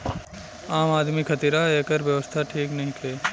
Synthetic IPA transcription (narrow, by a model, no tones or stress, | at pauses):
aːmaːd̪mikʰɐt̪iɾaeːkəɾʋjɐʋəst̪ʰaʈʰiːknɐɦĩk̪ʰeː